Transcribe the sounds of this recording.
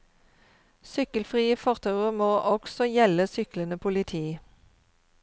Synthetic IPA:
sʏkəlfʁiːəfɔʁt̪ʰɑʉəʁmoːʔɔɡ̥sɔjɛləsʏklənəpʰʊlɪt̪ʰiː

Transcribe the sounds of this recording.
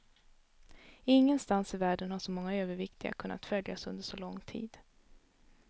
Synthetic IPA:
ɪŋːənst̪ansɪvæːɖənhaʂɔmɔŋːaøːvəɾvɪkt̪ɪɡa̰kʰɵnːa̰t̪fœlja̰sɵnd̪əʂɔlɔŋːt̪ʰḭːd̪

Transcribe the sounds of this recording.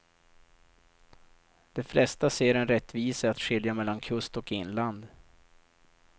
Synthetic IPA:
d̪̥ɛflɛst̪aseːɾɛnɾɛt̪ːviːsəat̪ɧɪljamɛlːankʰɵst̪ɔkɪnland̪

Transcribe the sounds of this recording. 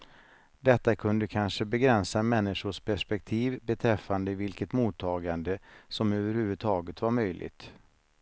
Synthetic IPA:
d̪ɛt̪ːakʰɵnd̪əkʰanʂəbɛɡɾɛnsamɛnːɪʂʊʂpʰæʂpɛk̚t̪ʰiːvbɛt̪ʰɾɛfːand̪əɪvɪlkət̪muːt̪ʰːɑːɡand̪əsɔmøːvəɾhʉ̟ːvɵd̪̚t̪ʰɑːɡət̪vaɾmœjlʔɪ̰ɡt̪

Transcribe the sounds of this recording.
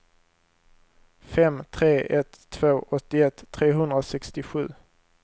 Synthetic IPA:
fɛmt̪ʰɾeːʔɛt̪ʰːv̥oːʔɔt̪ːɪɛt̪ʰːɾeːɦɵnd̪ɾasɛkst̪ɪɧʉ̟̰ː

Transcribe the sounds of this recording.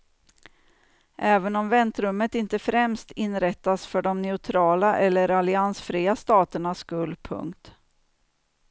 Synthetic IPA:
ʔɛːvənɔmvɛnt̪ɾɵmːət̪ɪnt̪əfɾɛmst̪ɪnːɾɛt̪ːasfœɖɔmnɛʊt̪ʰɾɑːlaʔɛlːəɾalɪansfɾiːast̪ɑːt̪əɳaskɵld̪pʰɵ̰ŋkt̪

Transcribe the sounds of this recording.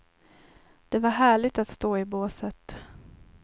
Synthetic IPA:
d̪̥ɛvaɾɦæːɭɪɡ̚t̪at̪st̪oːɪboːsət̪

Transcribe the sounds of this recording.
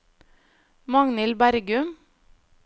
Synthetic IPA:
mɑŋnɪlbæɾɡʉm

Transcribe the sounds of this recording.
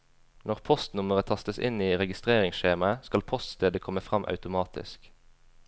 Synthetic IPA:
nɔʁpʰɔst̪nʊməʁət̪ʰɑst̪əsɪ̰niːʁɛɡɪst̪ʁeːʁɪŋsʃeːmɑəskɑlpʰɔst̪st̪eːd̪əkʰɔməfʁɑmʔɑ̰ʉt̪ʊmɑːt̪ɪ̰sk

